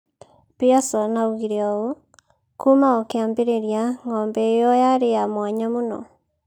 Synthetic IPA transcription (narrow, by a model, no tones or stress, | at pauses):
piasɔnauɣiɾeɔo | kumaokeambeɾeɾjaŋɔːmbɛːjɔjaɾejamwaɲamonɔ̰